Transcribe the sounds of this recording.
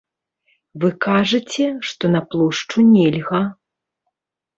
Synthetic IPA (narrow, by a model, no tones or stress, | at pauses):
vɨkaʐɨt͡sʲɛʂt̪ɔnɐplˠɔʂt͡ʂunʲɛlʲɣɐ